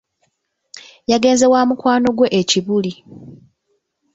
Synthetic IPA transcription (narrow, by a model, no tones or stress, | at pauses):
jaɡe̞ːnze̞wamukwaːno̞ɡwe̞ʔeciβuli